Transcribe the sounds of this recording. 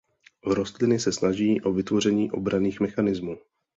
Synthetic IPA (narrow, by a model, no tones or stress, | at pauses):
ɾo̞st̪lɪnɪsɛsnaʒiːʔo̞vɪt̪vo̞r̝ɛɲiːʔo̞̰bɾaniːxmɛxanɪzmuː